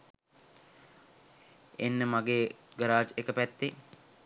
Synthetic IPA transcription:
enːəmaɡeːɡəɾaːt͡ʃekəpæt̪ːe

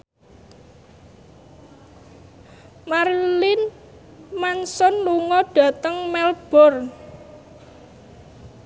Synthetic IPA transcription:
marlɪn | mansɔnluŋɔɖ̥ä̤t̪əŋmɛlb̥ɔ̤r

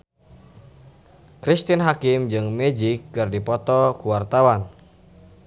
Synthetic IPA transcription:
kɾist̪inɦakɪmd͡ʒɨŋmɛd͡ʒɪkːɨrdipɔt̪ɔkuwart̪awan

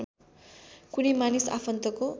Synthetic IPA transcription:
kunimanisa̰pʰʌnt̪ʌko

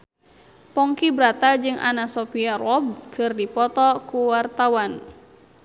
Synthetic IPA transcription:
pɔŋkibɾat̪ad͡ʒɨŋʔa̰nasɔpiarɔb̚kʰɨrdipɔt̪ɔkuwart̪awan

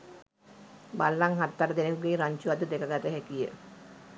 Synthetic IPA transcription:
balːaŋɦat̪ːaɾəd̪enekuɡeːɾaɲt͡ʃuat̪ud̪ekəɡat̪əɦækijə̰

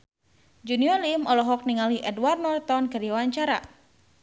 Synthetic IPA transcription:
d͡ʒuniɔlimɔlɔɦɔk̚niŋaliʔɛdwarnɔrt̪ɔnkɨrdiwaɲt͡ʃaɾa̰

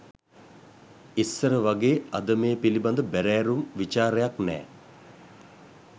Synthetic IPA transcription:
isːəɾəʋaɡeːad̪əmeːpiliband̪əbæɾæːɾumʋit͡ʃaːɾejaknɛ̰ː

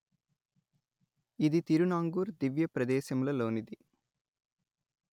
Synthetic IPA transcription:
id̪it̪iɾunaːŋɡuːɾd̪iʋjɐpɾɐd̪ɛːʃɐmlɐlo̞ːnid̪i

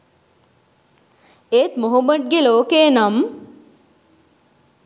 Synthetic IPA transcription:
eːt̪moɦubəʈ̚ɡeloːkeːnɐm

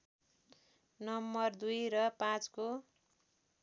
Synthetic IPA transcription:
nʌmːʌrd̪ujɾʌpãt͡sko

